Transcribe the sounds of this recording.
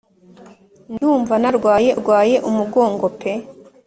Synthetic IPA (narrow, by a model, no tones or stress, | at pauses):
nduːɱvanaɾɡwaːje̞ɾɡwaːje̞ʔumuɡo̞ːŋɡo̞pʰe̞